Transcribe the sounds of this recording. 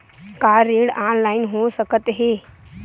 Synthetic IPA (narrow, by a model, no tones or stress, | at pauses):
kaɾeɽaːnlaːɪnɦosəkət̪ɦe